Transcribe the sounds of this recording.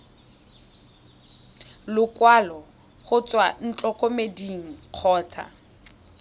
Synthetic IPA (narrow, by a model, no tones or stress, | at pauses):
lʊkʼwalɔ | χʊt͡sʼwan̩t͡ɬʼɔkʼomediŋ̩q͡χʰɔːt͡sʰa̰